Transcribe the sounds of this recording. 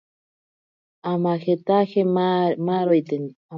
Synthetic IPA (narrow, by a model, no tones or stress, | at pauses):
amaxet̪axemaɾojt̪en | a